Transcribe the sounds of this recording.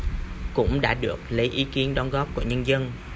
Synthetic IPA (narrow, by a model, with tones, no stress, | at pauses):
kʊ̰˧˥ŋ͡mɗa̰ː˧˥ɗɨ˨˩ək̚lə˨˦jʔi˨˦ki˨˦ənɗɔ˨˧nɣɔ˦˥p̚ku˧˩ɲə˧nzə˧n